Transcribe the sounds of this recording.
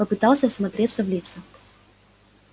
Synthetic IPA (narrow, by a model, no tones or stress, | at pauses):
əpɨt̪alˠsʲɐsmat̪ɾʲet̪sɐvlʲit̪sɨ